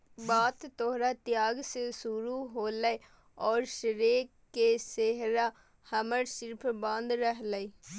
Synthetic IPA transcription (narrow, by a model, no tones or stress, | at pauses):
baːt̪t̪oɦɾat̪jaːɡsesuɾuɦoːləe | ɔːɾʃɾeːk | kːeseɦɾa | həməɾsɪɾpʰbãnd̪ɾəɦləi